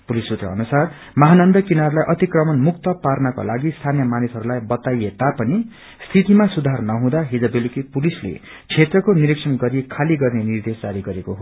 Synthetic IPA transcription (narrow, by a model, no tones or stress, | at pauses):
pulisut̪rʌ̰ʌnusar | mʌɦanʌnd̪ʌkinaɾlajʔʌt̪ikrʌmʌnmukt̪ʌparnʌko̰laɡist̪ʰanjʌmanisɦʌɾulajbʌt̪ajet̪apʌni | st̪ʰit̪imasud̪ʱarnʌɦũd̪aɦid͡zʌbelikipulislḛ | t͡sʰet̪rʌkoniɾeksʰʌnɡʌɾikʰaliɡʌrnenird̪esd͡zaɾiɡʌɾekoɦo